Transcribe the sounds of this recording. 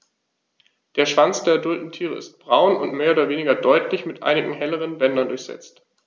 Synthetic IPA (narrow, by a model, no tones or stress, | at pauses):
d̥eːɐʃv̥ant͡sd̥eːɐɛdʊltn̩tʰiːʁ̞ə̰ɪ̰st̚b̥ʁaʊnʊ̰ntmeːɐoːdɐveːnɪɡɐdɔʏtʰlɪçmɪtʔa̰ɪnɪɡŋ̩ɦɛləʁ̞ənbɛndɐndʊɐçz̥ɛ̰t͡st